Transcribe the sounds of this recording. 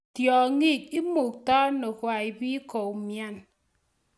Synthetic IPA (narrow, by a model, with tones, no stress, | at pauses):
tjɔ˨ŋi˦˨k̚i˦mo˨k̚tɔ˦no˨kwa˨i˨bi˦ko˨mja˦n